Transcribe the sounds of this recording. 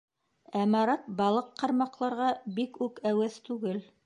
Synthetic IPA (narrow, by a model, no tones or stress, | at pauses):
æmɑɾɑt̪̚bɑlˠɤqːɑɾmɑqlˠɑɾʁɑbikʉkæwæθt̪ʉɡɘl